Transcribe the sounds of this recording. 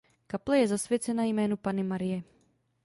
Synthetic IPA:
kaplɛjɛzasvjɛt͡sɛnajmɛːnupanɪmaɾɪjɛ

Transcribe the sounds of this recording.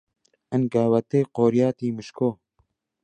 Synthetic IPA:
ʔɐnɡaːwɐt̪eːqoːɾjaːt̪iːmɨʃkoː

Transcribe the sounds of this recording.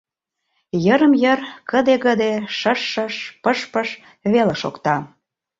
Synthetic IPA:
jəɾəmjərkəd̪eɣəd̪eʃəʃːəʃpəʃpəʃ | βeleʃo̰kt̪ɑ

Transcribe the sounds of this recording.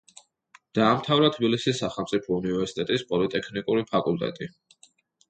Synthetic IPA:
d̪̥aːmt̪ʰavɾat̪ʰbilisisːaχɛlˠmt̪sʼipʰɔunivɛɾsi̥t̪ʼɛt̪ʼispʼɔlit̪ʼɛkʰnikʼuɾipʰakʼulˠt̪ʼɛ̰t̪ʼi

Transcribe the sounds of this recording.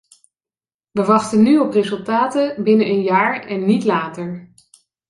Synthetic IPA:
ʋəʋɑχtənyɔprezɵlˠtaːtəbɪnənʔənjaːɹɛnːitlaːtəɹ

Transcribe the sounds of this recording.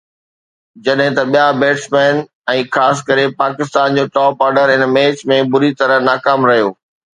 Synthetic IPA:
d͡ʑɐɗɦɪ̃t̪ɐɓijabeːʈsmɛːn | ɛ̃ːxaːs̬kɐɾepaːkɪst̪aːnd͡ʑoːʈɔːpaːɾɖəɾɦɪnmeːt͡ɕmẽbʊɾit̪ɐɾəɦnaːkaːmɾɐɦijoː

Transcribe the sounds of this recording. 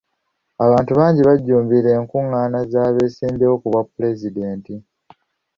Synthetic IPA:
aβaːntuβaːɲɟiβaɟːuːmbiɾe̞ːŋkuŋːaːnazaːβe̞ːsiːndeokuβapːule̞zide̞ːnti

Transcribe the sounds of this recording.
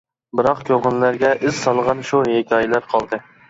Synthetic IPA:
bɨɾɑqkʲʰoʁənlæɾɡʲɛʔɪz̥sɑlˠʁɑnʃuhekʲʰɑjɪlæɾqʰɑlˠd̪ɨ

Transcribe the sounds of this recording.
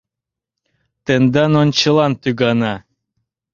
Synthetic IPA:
t̪end̪ɑnont͡ɕəlˠɑnt̪yɡɑnɑ

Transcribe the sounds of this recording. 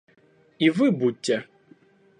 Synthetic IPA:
ivɨbutʲːɛ

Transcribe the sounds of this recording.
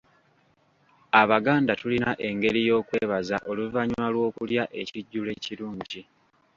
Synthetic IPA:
aβaɡaːndatulinaʔe̞ŋɡe̞ɾijo̞ːkwe̞ːβazaʔoluvaɲalwo̞ːkuljaʔe̞ciɟːule̞ːciɾuːɲɟi

